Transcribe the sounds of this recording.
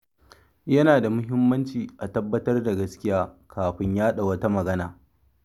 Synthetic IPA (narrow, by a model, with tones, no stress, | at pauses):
jɐ˦naː˨da˨mʊ˦ɦɪ˦mːɐ˦nt͡ʃiː˨ʔa˨tɐ˦bːɐ˦tɐ˦rda˨ɡɐ˦skʲɪ˦jaː˦kʰaː˨ɸɪ˦ɲjaː˦ɗa˨wɐ˦ta˦mɐ˨ɡɐ˦naː˨